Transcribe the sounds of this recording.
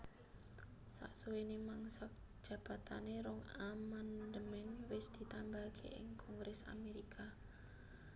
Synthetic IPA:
sa̰ʔsuwenemaŋsak̚ | ʒ̥ä̤b̥at̪a̰neɾɔŋamand̪əmɛnwɪsd̪̥i̤t̪ambakʰḛʔɪ̰ŋkʰɔŋɡɾɛsa̰meɾikʰa

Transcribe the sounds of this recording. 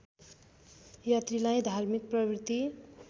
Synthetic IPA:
jat̪rilajd̪ʱarmik̚prʌbrit̪i

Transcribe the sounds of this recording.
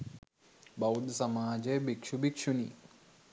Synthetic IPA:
bɐud̪sɐmaːd͡ʑebikʂubikʂuni

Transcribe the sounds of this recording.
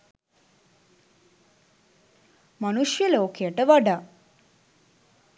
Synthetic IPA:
manuʂjəloːkejəʈəʋaɖa

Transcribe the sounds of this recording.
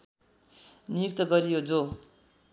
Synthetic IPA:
nijuk̚t̪ʌɡʌɾijod͡zo

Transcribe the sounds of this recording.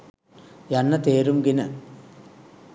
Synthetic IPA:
janːɐt̪eːɾumɡinə

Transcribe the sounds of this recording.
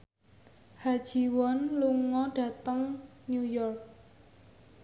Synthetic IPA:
had̥ʒ̥i̤wɔnluŋɔɖ̥a̤t̪əŋnjujɔrk̚

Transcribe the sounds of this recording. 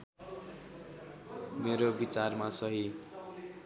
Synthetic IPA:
meɾobit͡sarmasʌɦi

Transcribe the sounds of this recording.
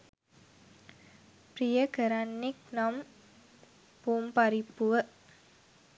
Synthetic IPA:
prijəkəɾanːiknɐm | puːmpɐɾipːuʋə

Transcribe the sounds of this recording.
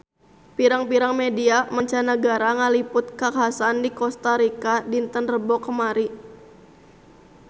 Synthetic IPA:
piɾaŋpiɾaŋmediamaɲt͡ʃanəɡaɾaŋalipʊt̪̚kakaɦasandikɔst̪aɾikadint̪ənrəbɔkəmaɾi

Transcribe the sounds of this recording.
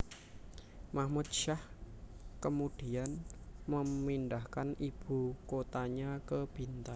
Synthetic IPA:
mahmut̪̚ʃah | kəmud̥ianməmindahkanib̥ṳkot̪aɲakəb̥i̤nt̪an

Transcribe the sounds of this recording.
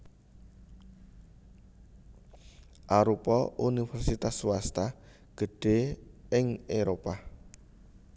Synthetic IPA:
ʔaɾupɔʔunifɛrsit̪asuwast̪a | ɡ̥ə̤ɖ̥e̤ɪŋeɾopa

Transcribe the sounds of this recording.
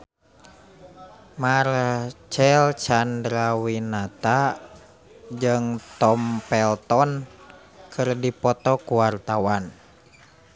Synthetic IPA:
mart͡ʃɛlt͡ʃandɾawinat̪a | d͡ʒɨŋt̪ɔmpɛlt̪ɔn | kʰɨrdipɔt̪ɔkuwart̪awan

